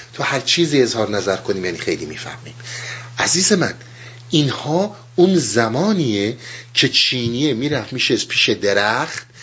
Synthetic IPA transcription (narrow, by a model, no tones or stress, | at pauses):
t̪ʰɒhæɾt͡ʃʰiːziːe̞zhɒːɾnæzæɾkʰoniːmjæːnixe̞jliːmiːfæ̰hmiːmʔæziːze̞mæ̰n | ʔinhɒː | unzæmɒːniːecʰe̞t͡ʃʰiːniemiːɾæfmiːʃespʰiːʃed̪e̞ɾæxt̪̚